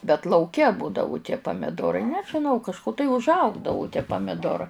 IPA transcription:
bʲɛt lˠɐʊˈkʲɛ ˈbuːdɐʋʊ tʲiɛ pɐmʲɪˈdoːrɐɪ nʲɛʒʲɪˈnɐʊ kɐʃˈkʊ tɐɪ ʊʒˈɐʊɡdɐʋʊ tʲiɛ pɐmʲɪˈdoːrɐ

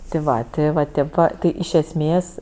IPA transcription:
tʲɪ ˈʋɐ tʲɪ ʋɐ ˈtʲeːp ʋɐ ˈtʲɪ ɪʃ ɛsʲˈmʲeːs

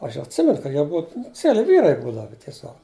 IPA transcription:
ˈɐʃ ɐtʲˈsʲɪmʲɛnʊ kɐ ˈjiɛ ˈbʊɐ nʊ ˈt͡sʲiɛlʲɪ ˈʋʲiːrɐɪ ˈbuːdɐʋɐ tʲiɛˈsʲoːk

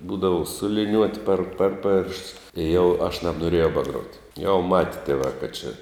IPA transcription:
ˈbuːdɐʋʊ sʊ lʲɪˈnʲuɔtʲ pʲɛr ˈpʲɛr ˌpʲeːrʃts ɪ jɛʊ ɐʃ nɐbnoːˈrʲeːjɛʊ bɐˈɡruɔtʲ jɛʊ mɐtʲ tʲiɛˈʋɑː kɐt t͡ʃʲɪ

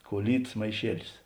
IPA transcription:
kuɔˈlʲiːtɐs mɐɪˈʃʲiɛlʲɪs

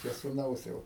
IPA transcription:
t͡ʃʲɛ sʊˈnɐʊs ˈjɛʊ

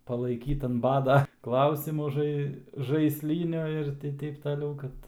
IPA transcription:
pɐlˠɐɪˈkʲiːt ɐn ˈbɑːdɐ ˈklˠɐʊsʲɪmʊ ˈʒɐɪ ʒɐɪsʲˈlʲiːnʲʊ ɪr tʲɪ ˈtʲɛɪp tɐˈlʲɛʊ ˈkɐt

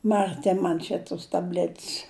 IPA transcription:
mɐrʲˈtʲɪ ˈmɐn t͡ʃʲɛ tʊs tɐˈbʲlʲɛtʲs

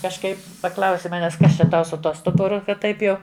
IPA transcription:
kɐʃˈkɐɪp pɐˈklˠɐʊsʲɪ ˈmɑːnʲɛs ˈkɐs t͡ʃʲɛ ˈtɐʊ sʊ ˈtuɔ ˈstʊbʊrʊ ˈkɐt ˈtɐɪp jɛʊ

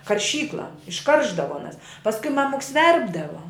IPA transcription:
kɐrʲˈʃʲiːklˠɐ ɪʃˈkɐrʒdɐʋoː ɐˈnɐs pɐsˈkʊɪ ˈmɑːmʊks ˈʋʲɛrbdɐʋoː

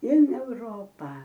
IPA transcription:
ɪn ɛʊˈroːpɑː

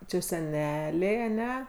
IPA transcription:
ˈt͡ʃʲɛ sʲɛˈnʲæːlʲɛɪ ɐˈnʲɛ

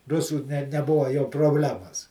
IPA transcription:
ˈrʊsuː nʲɛ nʲɛˈbʊʋɐ jɛʊ proːbʲˈlʲæːmɐs

